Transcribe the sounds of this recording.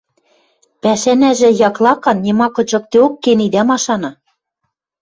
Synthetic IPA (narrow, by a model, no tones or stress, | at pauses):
pæʃænæʒɘ̆jɑklˠɑkɑnːʲemɑkɤ̆t͡ɕɤ̆k̚t̪eokːenid̪æmɑʃɑnɑ̆